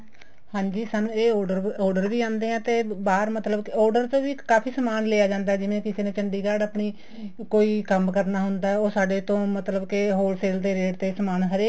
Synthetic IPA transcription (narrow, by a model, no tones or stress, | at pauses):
hãːɲd͡ʒiːsaːnũːeːɖəɾɔːɾɖəɾʋiːãːnd̪eːɦɛ̃ːt̪eːbaːɾmət̪ləbkɔːɾɖəɾt̪õːʋiːkaːpʰiːsəmaːnleːaːd͡ʒãːnd̪aɛd͡ʒɪʋẽːkɪseːnẽːt͡ʃəɳɖiːɡaːɖəːpɳiː | koːiːkəmkəɾnaːɦʊnd̪aːɛoːsaːɖeːt̪õːmət̪ləbkɪɦoːlseːlt̪eːɾeːɖt̪eːsəmaːnɦəɾeː